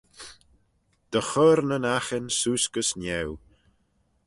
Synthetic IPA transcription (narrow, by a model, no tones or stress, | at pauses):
d̪̥əxɔɾnənaxənsuːskəsnʲɛw